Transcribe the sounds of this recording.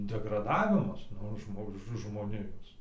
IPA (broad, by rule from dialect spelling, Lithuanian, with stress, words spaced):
dʲɛɡrɐˈdɑːʋʲɪmɐs ˈnʊ ˈʒmoː ʒmoːˈnʲɪjoːs